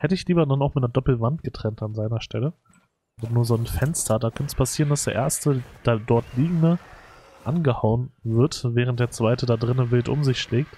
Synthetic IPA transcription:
hɛtəɪçliːbɐdanaʊxmɪt̚nɐdɔpl̩vant̚ɡ̥ətʁ̥ɛntanzaɪnɐʃtʰɛlə | odanuːɐzonfɛnstʰɐdaːkʰœnəspʰasiːʁəndasd̥eːɐʔeːɐstəd̥adɔɐtʰliːɡŋ̩də | ʔa̰nɡəhaʊənvɪɐtvɛːʁənt̚d̥eːɐt͡sv̥aɪtədaːdʁɪnəvɪltʔʊ̰mzɪçʃlɛːk̚t

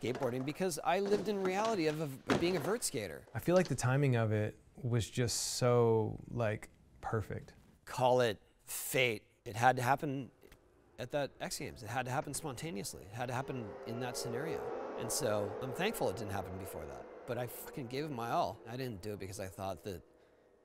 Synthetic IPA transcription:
ɡ̥eɪt̚b̥ɔɹɾɪ̃ŋbɨkʰʌza̰ɪlɪvdɨ̃nɹiælˠəɾiʌvəʌbiɪ̃ŋɨvɜ˞tsɡ̥eɪɾə̰˞aɪfilaɪk̚ðɨtʰãɪ̃mɪ̃ŋʌvɪt̚ | wʌzd͡ʒʌstsoʊlaɪk | pʰɜ˞fɪ̰k̚t̚ | kʰɔlˠɪt̚ | feɪɾ̚ | ɨt̚ɦɨd̚tɨɦæpɨ̃n | ɨt̪̚ðɨɾɛksɡ̥ḛ̃ɪ̃mzɨt̚ɦɨd̚tɨɦæpn̩spɑ̃ntʰẽɪ̃niɨslḭɨt̚ɦɨd̚tɨɦæpɨ̃nɨ̃nðɨtsɨnɛɹio̰ʊʔɨ̰̃nsoʊã̰ɪ̃mθæ̃ŋkfl̩ˠət̚d̥ɪdⁿn̩t̚hæ̰pn̩bɨfɔ̰ɹðæ̰t̚b̥ʌɾaɪkʰɨ̃n̩ɡɪvʌmaɪɔlˠaɪɾɪdⁿn̩d̥ɨɨt̚b̥ɨkʰʌzaɪθɔ̰t̪̚ðɨt̚

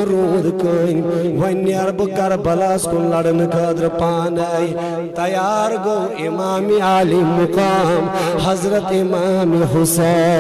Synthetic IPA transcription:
ɾod̪kəjʋɐnːjɐɾbɨkɐɾbɐlaːskunlɐɽənkʰɐd̪ɾɨpaːnɐj | t̪ɐjaːɾɡowimaːmiaːlimːʊkaːmhɐzɾɐt̪imaːmiɦuse

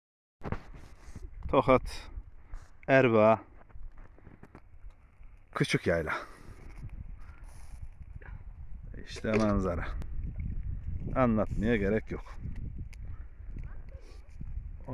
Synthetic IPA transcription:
t̪ʰoxat̪ | æɾba | kʰɯt͡ʃʰukjajlˠa | ḭʃt̪ʰɛmanzaɾa | anlːˠat̪mijaɡeɾɛcjok

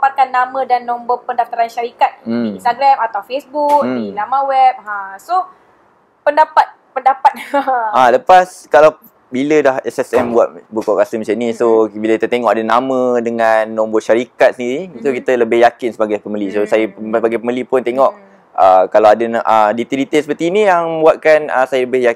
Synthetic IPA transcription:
pat̪̚kanːamə̃danːɔmbɔpəndaft̪aɾanʃaɾikat̪̚iinst̪aɡɾamat̪awfesbuk̚dilamãwɛp̚ãso | pəndapat̪̚pəndapat̪̚aləpas | kalaw | bilədahɛsɛsɛmbua̰t̪̚bukɔʔkasəmat͡ʃɛnisobiləkit̪ət̪eŋɔʔadənamə̃dəŋanːɔmboʃaɾikat̪̚səndiɾisokit̪ələbɪhjakɪnsəbaɡajpəməlisosajəsəbaɡajpəməlipʊnt̪eŋɔʔ | əkalawadənʔədit̪edit̪elsə̥pərt̪iːnijaŋbuat̪̚kanəsajələbɪja

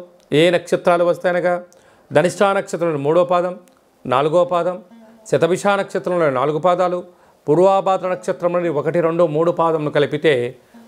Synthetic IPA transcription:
eːnɐkʂɐt̪ɾaːluʋɐst̪ajnɐɡaː | d̪ʱɐniʂʈʰaːnɐkʂɐt̪ɾɐmlumuːɽɔːpaːd̪ɐm | na̰ːluɡoːpaːd̪ɐm | sɐt̪ɐʋiʂaːnɐkʂɐt̪ɾɐmloːna̰ːluɡupaːd̪aːlu | puːɾʋaːbaːd̪ɾɐnɐkʂɐt̪ɾɐmlɐɖiokɐʈiɾeɳɖumuːɽupaːd̪ɐmnukɐlipit̪e̞ː

